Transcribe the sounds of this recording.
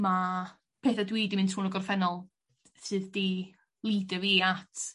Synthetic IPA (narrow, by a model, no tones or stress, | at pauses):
ma | pʰeːθadwiːdimɨntʰhuːnəɡɔrfɛnɔlˠ | sɨːðdi | lˠiːdəviːatʰ